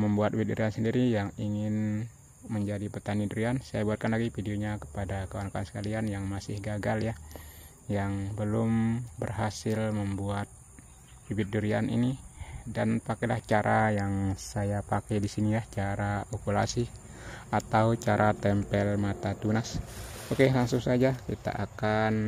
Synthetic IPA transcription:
məmbuat̪̚wit̪̚duɾiansəndiɾijaŋiŋɪn | məɲd͡ʒadipət̪aniduɾiansajabuat̪̚kanlaɡifideoɲakə̥padakawankaansə̥kalianjaŋmasɪhɡaɡaljah | jaŋbəlʊmbərɦasɪlməmbuat̪̚ | bibɪt̪̚duɾia̰nḭnidanpakajlaht͡ʃaɾʔajaŋsajapakajdisinilaht͡ʃaɾaokula̰si | at̪aut͡ʃaɾʔat̪ɛmpɛlmat̪at̪unasokelaŋsʊŋsad͡ʒakit̪a̰ʔakan

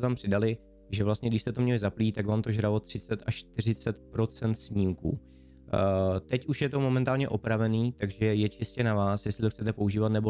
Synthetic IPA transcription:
t̪ampr̝̥ɪdalɪ | ʒɛvlast̪ɲɛɡdɪʃst̪ɛt̪o̞mɲɛlɪzapliːt̪aɡvaːmt̪o̞ʒɾalot̪r̝̥ɪt͡sɛt̪aʃt̪ɪr̝ɪt͡sɛt̪pɾo̞t͡sɛnt̪sɲiːmkṵː | t̪ɛcuʃjɛt̪o̞mo̞mɛnt̪aːlɲɛʔo̞pɾavɛniːt̪aɡʒɛjɛt͡ʃɪscɛnavaːsjɛslɪt̪oxt͡sɛt̪ɛpo̞uʒiːvat̪nɛbo

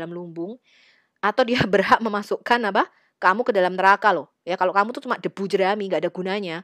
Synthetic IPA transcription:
lamlumbʊŋ | at̪awdiabərɦaʔ̚məmasukanapa | kamukədalamnəɾakalʊh | jakalokamut̪ut͡ʃumaʔd̥əb̥ud͡ʒəɾamiŋɡaːdaɡunaɲa

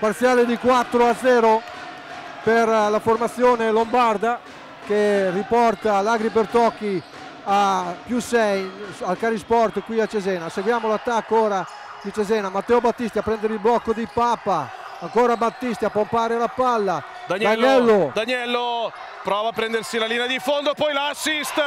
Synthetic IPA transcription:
part̪sjaːled̪ikwat̪ːɾoad̪zːɛːɾo | perlaformat̪sːjoːnelombard̪a | keripɔrt̪alaɡɾip̬ert̪ɔkːi | apjusɛjalkaɾispɔrt̪kwiat͡ʃːezɛːnaseɡwjaːmolat̪ːakːoːɾa | d̪it͡ʃezɛːnamat̪ːɛːobat̪ːist̪iapɾɛnd̪eɾeilblɔkːod̪ipaːpaː | ŋkoːɾabat̪ːist̪iapompaːɾealapalːa | d̪aɲd̪aɲɛlːod̪aɲjɛlːo | pɾɔːvaːpɾɛnd̪ersilaliːnead̪ifond̪opɔjlaːsːist̪

